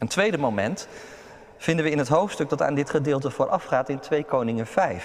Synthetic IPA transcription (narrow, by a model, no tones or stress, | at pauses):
əntʋejdəmowmɛnt | v̥ɪndəʋəɪnɦətɦowftstɵkɡ̚dɑta̰ːndɪtχədɪːlˠtəvʊːɹʔɑfχaːtɪntʋejkownɪŋənv̥ɛjf